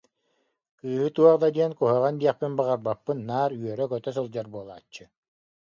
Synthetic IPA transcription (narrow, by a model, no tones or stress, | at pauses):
kɯːɦɯt̪uɔʁd̪ad̪iɛnkuɦɯʁand̪iɛχpinbaʁaɾbapːɯnːaːɾyœɾœkœt̪œsɔlˠd͡ʑaɾbuɔlˠa̰ːt͡ɕːɯ